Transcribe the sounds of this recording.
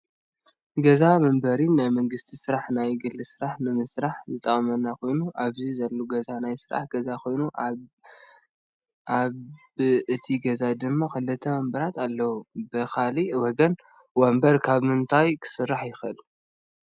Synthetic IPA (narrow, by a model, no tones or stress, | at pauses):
ɡɐzamɐmbɐɾinajmɐŋɡɨst̪ʰisɨɾaħnajɡɨlːɨsɨɾaħnɨmɨsɾaħzɨt̪ʼɐkʼmɐnːakʰo̞jnuʔaβzizɐlːoɡɐzanajsɨɾa̰ħɡ̥ɐzakʰo̞jnu | ʔaβ | ɨt̪ʰiɡɐzad̪ɨmːaxɨlːɨt̪ʰɐmɐmbɐɾat̪ʰalːɐwubɨkʰaliwɔɡɐn | wɐmbɐɾkʰaβmɨnt̪ʰajkʰɨ̥sɨrːaħjɪxʔɨ̰l